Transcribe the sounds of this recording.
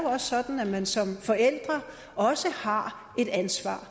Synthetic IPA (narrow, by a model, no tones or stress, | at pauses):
joɒ̽sːɒ̽d̥n̩æmænsɒ̽mfɒ̽el̰d̥ʁɐ | ʔɒ̽səhɑ̈ | e̝d̥ænsʋɑ̰̈ː